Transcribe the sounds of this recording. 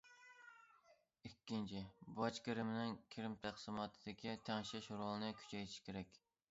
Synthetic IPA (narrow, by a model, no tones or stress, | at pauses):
ikʲːint͡ʃʰibɑt͡ʃkʲɪɾɪmɪnɪŋkʲʰiɾɪmt̪ʰæqsɨmɑt̪ʰɨd̪ɪkʲit̪ʰæŋʃɛʃuɾʊlˠɨnɨkʲʰy̥t͡ʃʰɛjt̪ʰɪ̥ʃkʲʰeɾɛkʲ